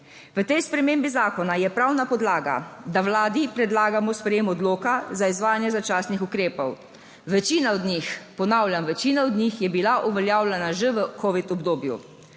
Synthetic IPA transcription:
ʋət̪ɛjspɾɛmeːmbizaːkɔnajɛpɾawnapɔd̪laːɡa̰d̪awlaːd̪ipɾɛd̪laːɡamɔspɾɛjeːmɔd̪loːkazaizʋaːjanjɛzat͡ʃaːsnixukɾeːpɔw | ʋɛt͡ʃiːnaɔd̪nʲixpɔnawljamʋɛt͡ʃiːnaɔd̪nʲixjɛbilaʔuʋɛljaːwlʲɛnaʒəʋəkɔːʋit̪ɔbd̪oːbjṵ

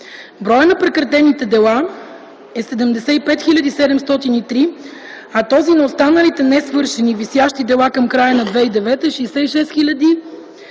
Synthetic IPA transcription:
bɾɔjənɐpɾɛkɾɐt̪ɛnit̪ɛd̪ɛlˠa | ɛsɛd̪ɛmd̪ɛsɛipɛt̪xilʲɐd̪isɛd̪ɛmst̪ɔt̪init̪ɾi | ɐt̪ɔzinɐost̪anəlit̪ɛnɛsvɤɾʃɛnivisjaʃt̪id̪ɛlˠakɐmkɾajənɐd̪vɛid̪ɛvɛt̪ɛʃɛjsɛiʃɛst̪xilʲɐd̪i

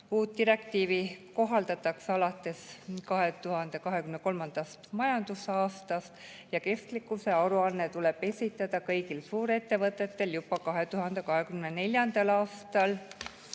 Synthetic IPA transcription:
uːt̪ːiɾe̞k̚t̪iːviko̞ɦɑld̪̥ɑt̪ːˑɑksɑlɑt̪ːˑe̞skɑɦe̞t̪uhɑnd̪̥e̞kɑɦe̞kymneko̞lmɑnd̪̥ɑst̪mɑjɑnd̪̥usɑːst̪ɑst̪ | jɑke̞st̪likːˑuse̞ɑɾuɑnːet̪ule̞b̥e̞sʲit̪ːˑɑd̪̥ɑkɤjɡilsuːɾe̞t̪ːe̞vɤt̪ːˑe̞t̪ːe̞ljubɑkɑɦe̞t̪uɦɑnd̪̥e̞kɑɦe̞kymnene̞lʲjɑnd̪̥ɑlɑːst̪ɑl

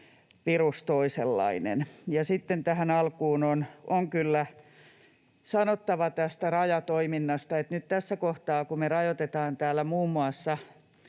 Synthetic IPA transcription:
ʋirust̪oiselːɑ̰inḛnjɑsit̪ːent̪æhænɑlkuːnonoŋkylːæ | sɑnot̪ːɑʋɑt̪æst̪ærɑjɑt̪oiminːɑst̪ɑet̪nyt̪t̪æsːækoht̪ɑːkumerɑjot̪et̪ɑːnt̪æːlːæmuːmːuɑsːɑ

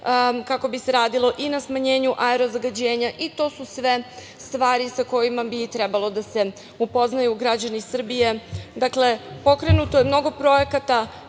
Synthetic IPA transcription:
kako̞bise̞ɾaːd̪ilˠo̞ʔinasmaɲe̞ːɲuʔaeɾo̞zaɡad͡ʑe̞ːɲaʔit̪o̞ːsusʋe̞ | st̪ʋaːɾisako̞jimabit̪ɾebalˠo̞d̪ase̞ | upo̞znajuɡɾad͡ʑanisr̩bije̞d̪akle̞po̞kɾe̞nut̪o̞jemno̞ɡo̞pɾo̞je̞kat̪a

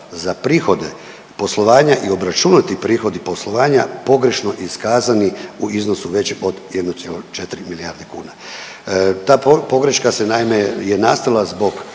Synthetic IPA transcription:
zapɾiːxo̞d̪e | po̞slˠo̞ʋaːɲaʔio̞bɾat͡ʃunat̪ipɾiːxo̞d̪ipo̞slˠo̞ʋaːɲapo̞ɡɾe̞ʃno̞ʔiskaːzaniuiznosuʋe̞t͡ɕo̞d̪jed̪not̪jelot͡ʃet̪ɾimiliaɾd̪ekṵːna | t̪aːpo̞ɡɾe̞ʃkasenaimejenaːst̪alˠazbo̞ɡ

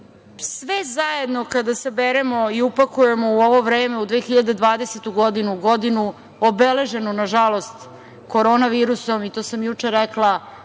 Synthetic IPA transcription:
sʋezaje̞d̪no̞kad̪asebeɾemo̞iupakuje̞mo̞uoʋo̞ʋɾeːme̞ud̪ʋeːxiʎad̪e̞d̪ʋaːd̪eset̪uɡod̪inuɡod̪inu | obele̞ʒe̞nunaʒalˠo̞st̪ | ko̞ɾoːnaʋiːɾuso̞mit̪oːsamjut͡ʂeɾɛklˠa

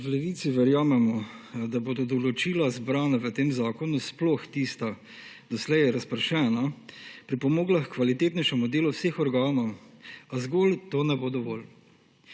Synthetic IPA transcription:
wlɛʋiːt̪siʋɛɾjaːmɛmɔ | d̪aboːd̪ɔd̪ɔlɔt͡ʃiːlazbɾaːnaʋət̪eːmzaːkɔnusploxt̪iːst̪a | d̪̥ɔslɛjɛɾaspəɾʃɛːnapɾipɔmoːɡlaxkʋalit̪eːt̪nɛʃɛmud̪eːlɔwseːxɔɾɡaːnɔwazɡoːlt̪oːnɛbod̪ɔʋɔːl

